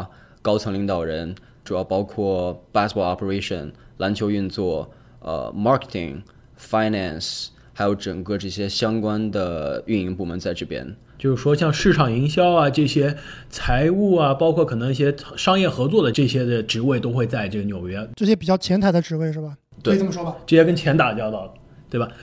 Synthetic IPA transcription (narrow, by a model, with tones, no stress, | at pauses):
kɑ˥ʊt͡sʰɤ˧˥ŋli˧˥ŋd̪ɑ˨˩ʊɻə˧˥n | ʈ͡ʂu˨˩jɑ˥˩ʊpɑ˥ʊkʰwɔ˥˩pa˥spɔ˧˥ɑ˥˩pʰə˧ɹe˥ɪʂə̰˨˩nla˧˥nt͡ɕʰjo˧˥ʊy˥˧nt͡swɔ˥˩ | ə̰˧˩mɑ˥ke̥˨˩t̪ʰḭ˨˩ŋ | fa˥ɪna˥˨˩ns | xa˧˥ɪjo˧˥ʊʈ͡ʂɤ˨˩ŋkɤ˥˧ʈ͡ʂɤ˥˩ɕjɛ˥ɕjɑ˥ŋkwa˥nd̪ə˨y˥˩ni˧˥ŋpu˥˩mə˧˥nt͡sa˥˧ɪʈ͡ʂɤ˥˩pjɛ̰˥n | t͡ɕjo˥˧ʊʂɻ̩˥˩ʂwɔ˥ɕjɑ˥˧ŋʂɻ̩˥˩ʈ͡ʂʰɑ˨˩ŋi˧˥ŋɕjɑ˥ʊa˨ʈ͡ʂɤ˥˩ɕjɛ˥ | t͡sʰa˧˥ɪu˥˩ɐ˩pɑ˥ʊkʰwɔ˥˩kʰɤ˨˩nɤ˧˥ŋi˥˧˩ɕjɛ˥ʂɑ˥ŋjɛ˥˩xɤ˧˥t͡swɔ˥˩d̪ə˩ʈ͡ʂɤ˥˩ɕjɛ˥d̪ə˨ʈ͡ʂɻ̩˧˥we˥˩ɪt̪o˥ʊxwe˥˧ɪt͡sa˥˧ɪʈ͡ʂɤ˥˩ɡə˩njo˨˩ʊɥɛ˧˥ʈ͡ʂɤ˥˩ɕjɛ˥pi˨˩t͡ɕjɑ˥˩ʊt͡ɕʰjɛ˧˥nt̪ʰa˨˥ɪd̪ə˧ʈ͡ʂɻ̩˧˥we˥˧ɪʂɻ̩˥˩bɐ˩ | t̪we˥˩˥mʂwɔ˥ɐ˨ʈ͡ʂɤ˥˩ɕjɛ˥k̬ə˥nt͡ɕʰjɛ˧˥nt̪a˨˩t͡ɕjɑ˥˧ʊt̪ɑ˥˩ʊ | t̪we˥˩ɪbɐa˩